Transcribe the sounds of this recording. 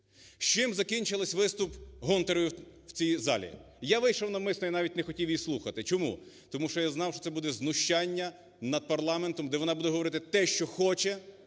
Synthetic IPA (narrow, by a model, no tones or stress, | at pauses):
ʃt͡ʃɪmzɐkʲinʲt͡ʃɪlˠɐsʲʋɪst̪ʊpɦɔnt̪eɾɔjʊwt͡sʲijzɑ̰lʲḭ | jaʋɪjʃɔwnɐmɪsnɔinɑʋʲitʲnexɔtʲiwjislˠuxɐt̪ɪt͡ʃɔmṵ | t̪ɔmuʃɔjaznɑwʃt͡ʃɔt̪ɛbud̪ɛznʊʃt͡ʃanʲːɐ | nɐd̪̚pɐrlˠɑment̪ɔmd̪ɛʋɔnɑbud̪ɛɦɔʋɔɾɪt̪ɪt̪ɛʃt͡ʃɔxɔt͡ʃɛ